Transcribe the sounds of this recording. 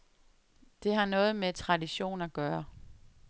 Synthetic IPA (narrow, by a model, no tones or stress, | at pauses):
d̥e̝ɦɑ̈nɔ̽ːð̞̩ˠmet͡sʰʁɑ̈diɕo̝̰ːnæɡ̥ɶːɐ